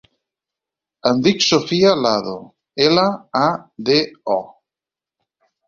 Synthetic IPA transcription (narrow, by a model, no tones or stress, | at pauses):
and̪iksofialaðo | elaː | ðeɔ